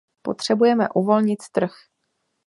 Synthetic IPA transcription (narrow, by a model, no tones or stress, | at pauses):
po̞t̪r̝̥ɛbujɛmɛʔuvo̞lɲɪt̪t̪r̩x